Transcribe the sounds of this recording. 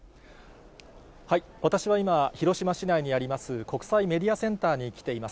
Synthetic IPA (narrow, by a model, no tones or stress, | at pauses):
hai | βat̪aɕiβaimaçiɾo̞ɕimaɕinaiɲ̟iaɾʲimasɨko̞kɯ̟̥saime̞d̪ʲiasẽ̞nt̪aːɲ̟ikʲi̥t̪e̞imas